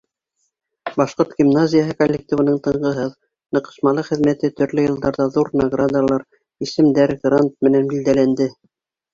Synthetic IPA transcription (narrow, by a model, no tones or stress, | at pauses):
bɑʃqoɾt̪ɡ̥ʲimnazʲɪjaɦɤkolʲːek̚tʲivɤ̆nɤɴt̪ɤ̆ɴɢɤ̆ɦɤð | nɤ̆qɤ̥̆ʃmɑlˠɤχɘ̆ðmæt̪ɘt̪ɵ̆ɾlɵjɤ̆lˠd̪ɑɾðɑðuɾnɐɡrad̪ɑlˠɑɾ | isɘ̆md̪æɾɡrant̪̚mɘ̆nænbild̪ælænd̪ɘ